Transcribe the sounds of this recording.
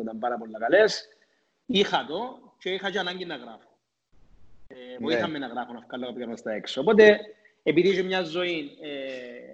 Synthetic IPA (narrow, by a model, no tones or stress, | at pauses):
it̪ɐmbɐɾɐpolːɐkɐles | ixɐt̪ot͡ʃeixɐt͡ʃeɐnɐɲɟinːɐɣɾɐfo̥ | eoit̪ɐmːenɐɣɾɐfonɐfkɐlːokɐpkɐmɐst̪ɐeksoopot̪e | epiðit͡ʃemɲɐzːo̞ine